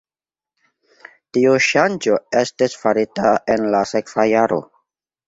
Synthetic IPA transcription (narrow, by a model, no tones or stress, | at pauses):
tiuʃand͡ʒo̞e̞stisfaɾitae̞nlasekv̥ajaɾo̰